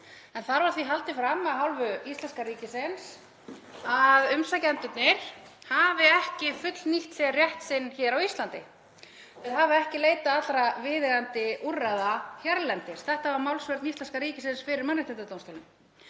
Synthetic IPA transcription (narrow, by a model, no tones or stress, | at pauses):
ɛnθaɾvaɾ̥θviɦalt̪ɪfɾamːaðɦawlvʏist̪lɛnskaɾiːcɪsɪns | aðʏmsacɛnt̪ʏt̪nɪɾ̥havɪɛhcɪfʏt̪lniht̪sɛrjɛht̪sɪnːçɛːɾawist̪lant̪ɪ | ɪðɦavɪɛhcɪleːjt̪aat̪lɾavɪːðɛɣant̪ɪuraðaçjaɾlɛnt̪ɪɾ̥θɛht̪avaɾmawlsvɛɾt̪nist̪ɛnskaɾiːcɪsɪnsfɪɾɪɾmanːɪht̪ɛnt̪at̪ownst̪owlʏm